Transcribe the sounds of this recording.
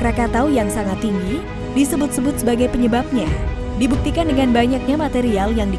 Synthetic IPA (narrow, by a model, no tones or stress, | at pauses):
ɾakat̪awjaŋsaŋat̪ːiŋɡi | disəbʊt̪̚səbʊt̪̚səbaɡajpəɲəbap̚ɲa | dibuk̚t̪ikandəŋanbaɲak̚ɲamat̪eɾialjaŋdi